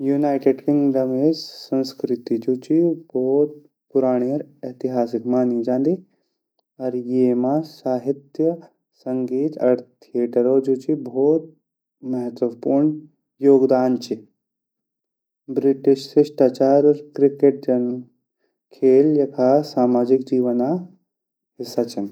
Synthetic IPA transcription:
juːnaːjʈɪɖkɪŋɡɖəmeːd͡ʒsɐ̃nskɾɪt̪id͡ʒut͡ʃiboːt̪̚ | puɾaːɳ̃iɾɐt̪iɦaːsɪkmaːnid͡ʒãːnd̪i | ɐɾjeːmasaːɦit̪jə | sɐŋɡiːt̪ɐ̰ɾt̪ʰieːʈəɾod͡ʒuːt͡ʃibʱoːt̪̚ | mɐɦət̪ʋɐpuːɾɳ | joːɡd̪aːnt͡ʃi | bɾɪʈɪʃsɪʃʈaːt͡ʃaːɾɐɾkɾɪkeʈ̚d͡ʒɐn | kʰeːljɐkʰasaːmaːd͡ʒɪkd͡ʒiːʋəna | ɦɪsːat͡ʃʰɐn

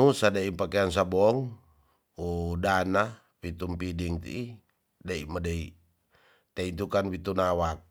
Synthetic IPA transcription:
usadaipakeans̬abɔŋ | udana | wit̪umpidiŋt̪ḭi | daimadai | t̪aint̪ukanwit̪unawak̚

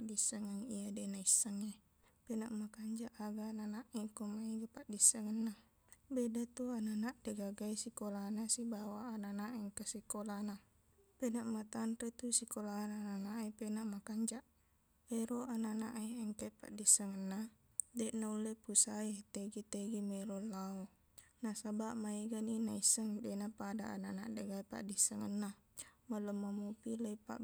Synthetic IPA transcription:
adisːaŋaŋijadenaisːaŋe | penaʔmakaɲd͡ʒaʔaɡananaʔikomaiɡapaʔdisːaŋənːa | bedat̪uananaʔdeɡaɡaisikolanasibawaːnanaʔɛŋkasikolana | penaʔmat̪anret̪usikolanananaʔipenaʔmakaɲd͡ʒaʔ | eɾoʔananaʔiɛŋkapa̰ʔdisːaŋənːa | deʔnaulːepusait̪eɡit̪eɡimeɾolːao | nasabaʔmaiɡaninaisːəŋdenapadaʔa̰nanaʔdeɡaipa̰ʔdisaŋanːa | malːumːamupileipa̰ʔ

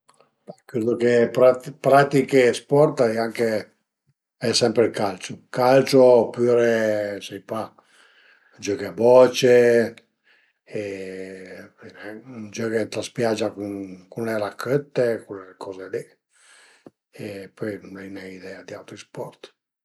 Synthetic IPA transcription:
bakɾed̪okepɾapɾat̪ikespɔrt̪aɛaŋke | ɛsɛmpɾelkalt͡ʃokalt͡ʃopyːɾesejpa | d͡ʒɔkebɔt͡ʃe | inɛd͡ʒɔket̪ɾaspjad͡ʒːakunkunleɾakʰːøt̪ːekunlekʰɔzeli | epɔjnonajnɛid̪ɛad̪iawt̪ɾispɔrt̪

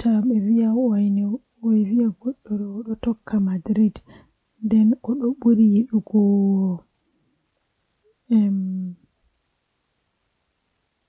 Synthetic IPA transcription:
tʰaɓɛvijawjni | wɔjvijaɡɔɗːɔɗɔɔɗɔtɔkʰːamadɾid | ndɛnɔɗɔɓoɾijeɗuɡɔɔ | ɛm

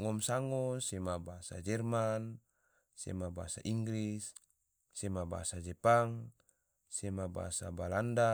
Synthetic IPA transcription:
ŋɔmsaŋɔsemabasa̰d͡ʒɛrman | sḛmabasa̰ʔiŋɡlisː | emaba̰sad͡ʒɛpaŋ | semaba̰sa̰balanda

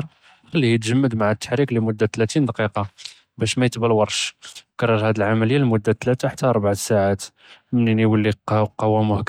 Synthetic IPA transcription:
ɾ | xəlːihjət̪ʒəmːəd̪maʕət̪ːə̥ħɾiklimʊd̪ːat̪læt̪ind̪ɑqiqɑ | bæʃmæjət̪bəlwɑɾˤʃkərˤːəɾˤhæd̪əlʕamæləjːalmʊd̪ːat̪ːlæt̪aħḁt̪ːæʔɑɾˤbaʕsaʕat̪ | məniniwəlːiqɑqɑwːæmʊhk

